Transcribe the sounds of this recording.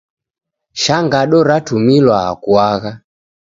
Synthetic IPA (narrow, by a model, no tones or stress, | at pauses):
ʃaŋɡaɗɔɾatumilwa̰ːkwaɣa